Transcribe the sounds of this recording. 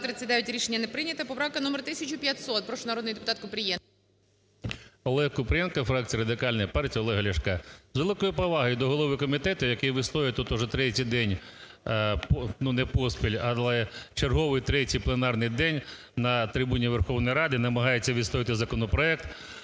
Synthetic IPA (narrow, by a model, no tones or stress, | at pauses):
pɾɪt̪sʲɪd̪ajʲʊtʲɾʲiʃenʲːɐnɛpɾɪnʲɐt̪ɐpɔpɾɑwkɐnɔmert̪ɪsʲɐt͡ʃʊpʲjɐt̪ʲsɔt̪̚pɾɔʃʊnɐɾɔd̪nɪjd̪epʊ̥t̪ɑt̪kʊpɾʲɪjɛ | ɔlˠɛɦkʊpɾʲɪjɛnkɐfɾɑk̚t͡sʲijɐɾɐd̪ɪkɑlʲnɐjɐpɑrtʲijɐɔlˠɛɦɐlʲɐʃkɑzʋelˠɪkɔjʊpɔʋɑɦɐjd̪ɔɦɔlˠɔʋɪkɔmʲit̪ɛt̪ʊjɐkɪjʋɪslˠɔjʲɪt̪ut̪ʊʒɛt̪ɾɛtʲijd̪ɛnʲ | pnunɛpɔspʲilʲɐlˠɛt͡ʃerɦɔʋɪjt̪ɾɛtʲijplˠenɑrnɪjd̪ɛnʲ | nɐt̪ɾɪbunʲiʋerxɔwnɔjɾɑd̪ɪnɐmɐɦɑjet͡sʲːɐʋʲid̪sˠɔʋʲɪt̪ɪzɐkɔnɔpɾɔɛk̚t̪